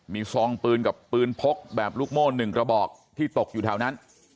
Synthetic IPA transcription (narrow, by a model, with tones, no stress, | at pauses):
miː˧sɔː˧ŋpɯː˧nka˨˩pːɯː˧npʰo˦˥k̚bɛː˨˩p̚luː˥˩k̚moː˥˩nɯ˨˩ŋkɾa˧bɔː˨˩k̚t̪ʰiː˥˩t̪o˨˩k̚juː˨˩aː˩˦wna˦˥n